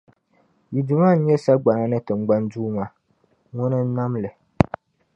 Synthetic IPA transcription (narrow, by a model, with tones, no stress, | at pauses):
ji˨dɨ˨ma˦n̩˦jɛ˦sa˦ɡ͡ba˨na˨nɨ˦tɨ˨ŋ͡mɡ͡ba˦nduː˦ma˨ | ŋɔ˦nɨ˦n̩˦na˦mlɨ˨